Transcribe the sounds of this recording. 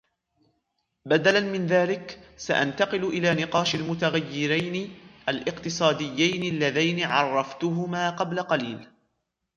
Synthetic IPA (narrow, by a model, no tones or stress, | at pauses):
bad̪alanmɪnðaːlɪksa̰ʔa̰nt̪ɑqɨlʔɪlaːnɪqɑːʃalmʊt̪aɣajːɪɾajnɪʔalʔɪqt̪ɨsˤɑːd̪ɪjːajnɪalːaðajnɪʕɑrˤːɑft̪ʊɦʊmaːqɑblaqɑliːl